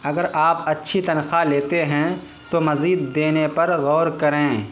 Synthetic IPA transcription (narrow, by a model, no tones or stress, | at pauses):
ɐɡəɾaːpɐtːʃʰit̪ɐnxaleːt̪eɦɛ̃ | t̪omɐziːd̪ːeːnepɐɾɣɔːɾkɐɾẽː